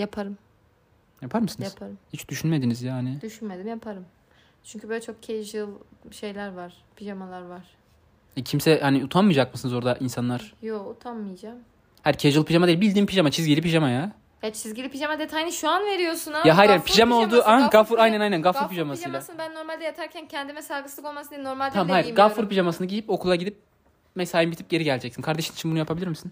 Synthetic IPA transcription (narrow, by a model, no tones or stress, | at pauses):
japʰaɾɯm | japʰaɾmɯsɯnjazpʰaɾɯmhit͡ʃd̪yʃynme̞d̪inizjaːnid̪yʃynmed̪imjapʰaɾɯm | t͡ʃʰyɲʲcʰybøjlʲɛt͡ʃʰo̞k̚cʰeʒɯlˠʃe̞jlʲæɾvaɾ̥ | pʰiʒamalˠaɾvaɾ̥ | ɛcʰimsɛhaniut̪ʰanmɯjd͡ʒak̚mɯsɯnɯzo̞ɾd̪aʔinsanlˠaɾ̥jout̪ʰanmɯjad͡ʒaːm | hæɾcʰejʒɯlˠpʰiʒamad̪ebilʲd̪impʰiʒamat͡ʃʰizɡɟilʲipiʒamajaː | jat͡ʃʰizɟilʲipʰiʒamad̪et̪ʰajnɯʃuanve̞ɾijosunajaɦajɾanpʰiʒamaolˠd̪uːaɡafuɾajnænajnænɡafuɾpʰiʒamasɯjmlʲˠaaɯnbænːo̞ɾmalʲd̪ɛjat̪ʰaɾcʰæncʰɛnd̪imɛsaɡɯsˠɯko̞lˠmasɯninoɾmalʲd̪ʰamhajiɾɡafuɾpiʒamasɯnɯɟijipo̞kʰulˠaɟid̪ip̚ | mesaːjimbit̪ʰi̥p̚ɟe̞ɾiɟælʲd͡ʒɛcsinkʰaɾd̪e̞ʃinit͡ʃʰinbunujapʰabilʲiɾmisin